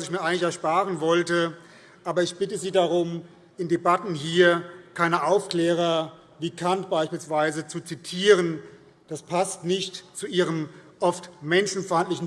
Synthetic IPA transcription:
sɪçmiːɐʔaɪɡŋ̩lɪçɛɐʃpaːʁənvɔltə | ʔaːbɐɪçb̥ɪtəziːdaʁʊm | ʔɪndebatn̩ɦiːɐkʰaɪnəʔaʊfkl̥ɛːʁɐ | viːkʰantb̥aɪʃpiːlsv̥aɪzət͡sut͡sitʰiːʁən | d̥aspʰastnɪçtt͡suʔiːʁ̞əmʔɔftmɛnʃn̩faɪntlɪçn̩

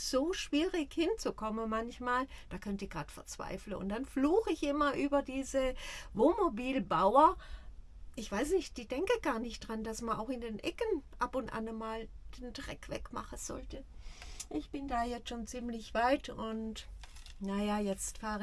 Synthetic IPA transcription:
z̥oːʃv̥iːʁɪçhɪnt͡sukʰɔmənmançmaːld̥aːkʰœntiːɐɡ̥ʁaːtfɛɐt͡sv̥a̰ɪfləʊ̰nt̚d̥anfluːxɪçʔɪmɐʔyːbɐdiːzəvoːnmobiːlbaʊɐ | ʔɪçv̥aɪs̬nɪçt̚d̥iːd̥ɛŋkəɡ̥aːɐnɪçtd̥ʁand̥asmana̰ʊxɪndeːnʔɛkənʔapʊntʔa̰nəmaːld̥eːntʁ̥ɛ̰kv̥ɛ̰kma̰χənz̥ɔ̰ltəʔɪçb̥ɪndaːjɛt͡sʃoːnt͡siːmlɪçv̥aɪtʊntnajajɛt͡stfaːʁə

